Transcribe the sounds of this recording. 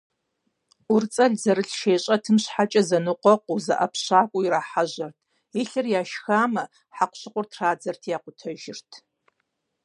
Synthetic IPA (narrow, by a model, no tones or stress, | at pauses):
ʊrt͡sʼɐɮzɐɾɨɬʃeːɕʼɐtʰɨmɕħat͡ʃʼɐzɐnɨqʷɔqʷʼuzɐ̰ʔɐ̰pʰɕaːkʷʼʊiɾaːħaʑɐrtʰ | iɬɨrjaːʃxaːmɐ | ħaqʷɕɪqʷʼʊrtʰraːd͡zɐrtʰjaːqʷʊtʰɐʒɪrtʰ